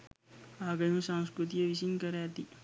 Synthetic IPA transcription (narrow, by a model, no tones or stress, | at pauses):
aɡəjũsãw̃skɾut̪ieʋisinkəɾjaət̪i